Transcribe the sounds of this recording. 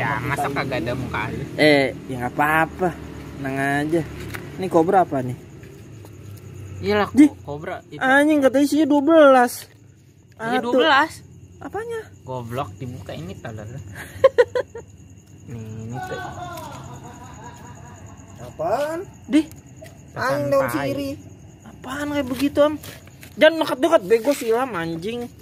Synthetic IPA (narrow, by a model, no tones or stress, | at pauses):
amasakaɡadamuka̰luɛjaŋapaːpanaŋad͡ʒanikobɾapani | ijaladikobɾaʔaɲɪŋkət̪̬aisiɲaduabəlas | ʔadt̪uəlasʔapaɲaɡuablɔk̚dibukainit̪ala̰l | ninit̪u | apandih | taaɲɪŋdawansiɾi | apankajabəɡit̪uam | d͡ʒanːəkat̪̚dukat̪̚bajɡuasilamaɲd͡ʒɪŋ